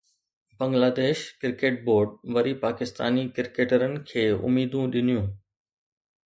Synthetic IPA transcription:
bɐ̃ŋɡlaːd̪eːʃkɪɾkeːʈ̚boːɾɖ̚ʋɐɾipaːkɪst̪a̰ːnikɪɾkeːʈəɾənɪ̆kʰeːʊ̰miːd̪ũɗɪn̤ijũː

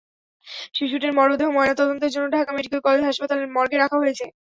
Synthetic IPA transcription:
ʃiʃ̬uʈiɾmɔɾod̪ʱeɦomɔenat̪ɔd̪ont̪od͡ʑonːoɖʱakameɖikelkɔled͡ʑɦaʃpat̪aleɾmɔɾɡeɾakʰaɦojet͡ɕʰe

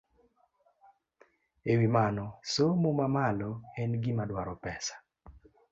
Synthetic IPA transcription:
ewimanɔsomomamalɔɛnɡɪmadwaɾɔpɛsḁ

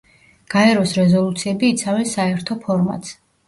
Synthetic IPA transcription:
ɡ̥aɛɾɔsɾɛzɔlˠut̪sʰiɛbiːt̪sʰavɛnsaɛɾt̪ʰɔpʰɔɾma̰t̪s

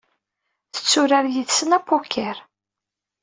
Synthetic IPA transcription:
θə̥t͡sːʊɾaɾjiðsənæpːokʰːɛɾ

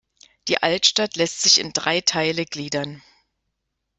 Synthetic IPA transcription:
d̥iːʔaltʃtatlɛstz̥ɪçɪ̰ndʁaɪtʰaɪləɡliːdɐn

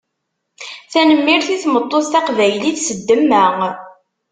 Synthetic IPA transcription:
θænəmːiɾθiθmət̪ˤːoθt̪æqvæjliθsəd̪ːəmːæ

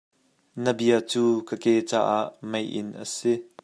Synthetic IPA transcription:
nəbiət͡suːkəkɛt͡sa̰ːʔaʔmejʔɪ̰nʔə̰si

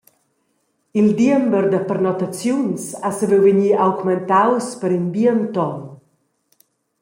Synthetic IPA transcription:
ild̪iəmbəɾd̪əpərnɔt̪at͡sjunsasəvɛwveɲiawɡmɛnt̪awspəɾinbiənt̪ɔn

